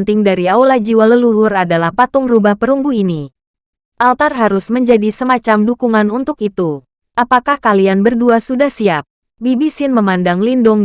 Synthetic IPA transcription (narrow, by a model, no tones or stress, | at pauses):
nt̪ɪŋdaɾiaulad͡ʒiwaləlulʊradalahpat̪ʊŋrubahpəɾumbuini | ʔalt̪arɦaɾʊsməɲd͡ʒadisəmat͡ʃamdukuŋanunt̪ʊkit̪u | ʔapakahkalianbərduasudahsiap̚ | bibisɪnməmandaŋlindʊŋ